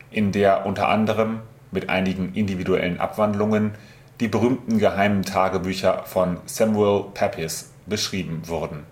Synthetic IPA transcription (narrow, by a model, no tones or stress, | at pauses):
ʔɪndeːɐʔʊntɐ̰ʔa̰ndəʁ̞əmː | ɪtʔa̰ɪnɪɡŋ̩ʔɪndividuɛ̰lənʔa̰pv̥andlʊŋən | d̥iːbəʁyːmtn̩ɡəɦaɪməntʰaːɡəbyːçɐfɔnsɛmuɛlpʰɛpʰɪs | b̥əʃʁ̥iːbm̩vʊɐdn̩